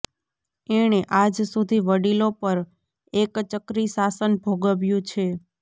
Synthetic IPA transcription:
eɽ̃eʔad͡ʒsud̪ʱiʋəɽilopəɾ | ekt͡ʃəkɾisasənbʱoɡəʋjũt͡ʃʰe

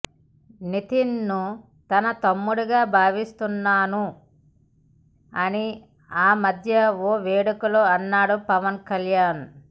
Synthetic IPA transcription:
nit̪inːu | t̪ɐnɐt̪ɐmːuɽuɡaːbʱaːʋist̪unːaːnu | ɐni | aːmɐd̪ʱjɐoːʋeːɽɐkuloɐnːaːɽupɐʋɐnkɐljaːn

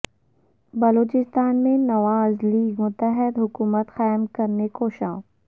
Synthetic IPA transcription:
bɐloːt͡ʃɪst̪aːnmẽnɐʋaːzliːɡmʊt̪əɦɪd̪ɦʊkuːmət̪xaːjmkɐɾnekoːʃãːõ

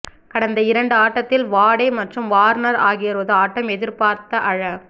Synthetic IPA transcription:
kɐɽɐnd̪ɐɪɾɐɳɖɯaːʈːɐt̪ːɪlʋaːɽɐɪmɐʈrɯmʋaːɾnɐɾa̰ːɣɪjɐɾɯʋɐðɯaːʈːɐmɛðɪɾpaːɾt̪ːɐʔɐɻɐ

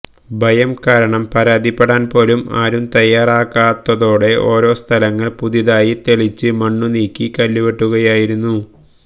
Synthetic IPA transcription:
bʱɐjɐmkaːɾɐɳɐmpɐɾaːd̪ʱipːeɽaːnpo̞ːluma̰ːɾumt̪ɐjːaːraːkːaːt̪ːɐðo̞ːɽe̞ʔo̞ːɾo̞ːst̪ʰɐlɐŋːɐɭpuðiðaːjit̪e̞ɭit͡ɕːɨmɐɳːuniːkʲːikɐlːuʋe̞ʈːuɣɐjaːjiɾunːu

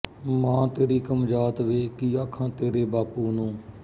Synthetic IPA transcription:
mãːt̪eːɾiːkəmd͡ʒaːt̪ʋeːkiːaːkʰãːt̪eːɾeːbaːpuːnũː

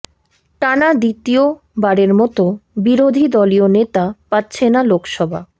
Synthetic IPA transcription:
ʈanad̪it̪io | baɽeɾmɔt̪obiɾod̪ʱid̪ɔlionet̪apatːɕʰenalokʃɔbʱa̰

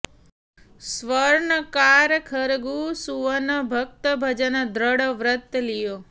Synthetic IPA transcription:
sʋəɾɳəkaɾkʰəɾɡusuʋənəbʱək̚t̪əbʱəd͡ʒənəd̪ɾəɽəʋɾət̪ːlijo

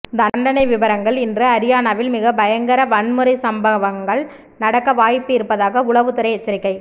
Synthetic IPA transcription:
d̪ɐɳɖɐnɐɪʋɪʋɐɾɐŋɡɐɭɪndrɯɐɾɪjaːnaʋɪlmɪɣɐbɐjɐŋɡɐɾɐʋɐɳmɯɾɐɪsɐmbɐʋɐŋɡɐɭ | nɐɽɐkːɐʋaːjpːɯɪɾɯpːɐðaːɣɐʊɭɐʋɯt̪ːɯɾɐɪɛt͡ʃːɐɾɪkːɐɪ

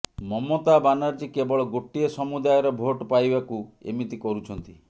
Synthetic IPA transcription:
mɔmot̪abanaɾd͡ʒikebɔɭɔɡoʈiesɔmud̪ajɔɾɔbʱoʈpajbakuḛmit̪ikɔɾut͡ʃʰɔnt̪i

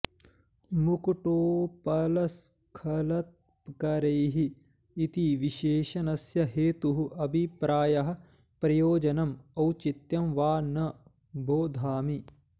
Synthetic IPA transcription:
mukʈoːpɐlɐs | kʰɐlɐt̪̚ | pkɐɾejɦiː | t̪iʋiʃeːʃɐnɐsjɐɦeːt̪uɦuʔɐbʱipɾaːjɐɦɐ̆ | pɾɐjoːd͡ʒɐnɐmɐwt͡ʃit̪jɐmʋaːnɐ | boːd̪ʱaːmi

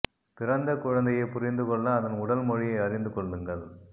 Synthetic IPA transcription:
pɪɾɐnd̪ɐkʊɻɐnd̪ɐjɐɪpʊɾɪnd̪ɯkɔɭːɐːðɐnʊɽɐlmɔɻɪjɐɪɐɾɪnd̪ɯkɔɭːɯŋɡɐɭ

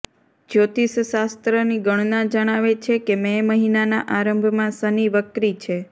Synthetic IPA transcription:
d͡ʒot̪isʃast̪ɾəniɡəɳ̃nad͡ʒəɽ̃aʋet͡ʃʰekemɛməɦinana̰ʔaɾəmbʱmãsəniʋəkɾit͡ʃʰe

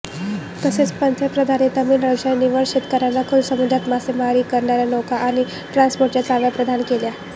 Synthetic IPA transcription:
t̪əset͡spənt̪ʰjəpɾəd̪ʱanit̪əmiːnɾəd͡ʑaniʋəɾɕet̪kəɾanːakʰulsəmud̪ʱat̪maseməɦaɾiːkəɾɳaɾjanokaʔañi | ʈɾãnspoɾʈjat͡saʋjapɾəd̪ʱankelja

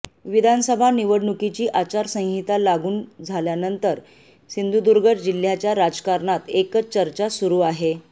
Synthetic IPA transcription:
ʋid̪ʱanəsəbʱaniʋəɽɳukit͡ɕiːʔat͡ɕaɾsə̃ŋ̃ɦit̪alaɡuːnd͡zʱaljanənt̪əɾ | sind̪ʱud̪uɾɡʱəʈd͡ʑil̤ːjat͡ɕjaɾad͡zkaɾɳat̪ekət͡ɕəɾt͡ɕasuɾuːaɦe

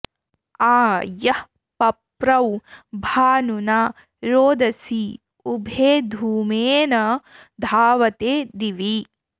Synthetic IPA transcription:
aːjɐh | pɐpɾɐwbʱaːnunaː | ɾoːd̪ɐsi | ubʱeːd̪ʱuːmeːnɐ | d̪ʱaːʋɐt̪eːd̪iʋi

